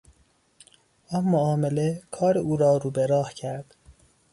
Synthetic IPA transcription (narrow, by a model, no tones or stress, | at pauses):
ʔɒnmoɒːme̞lekʰɒːɾeuːɾɒːɾuːbeɾɒːhcʰæɾd̪̥